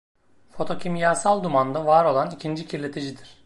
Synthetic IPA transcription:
fo̞t̪ʰo̞cʰimjaːsalˠd̪umand̪avaɾo̞lˠanicʰind͡ʒicʰiɾlʲe̞t̪ʰid͡ʒid̪iɾ̥

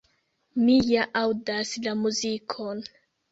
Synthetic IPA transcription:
mijaʔawdaslamuzikʰo̞n

